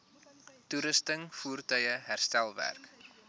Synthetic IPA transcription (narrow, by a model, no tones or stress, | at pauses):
tuɾəstəŋfuːrtœjəɦærstælˠvæ̰rk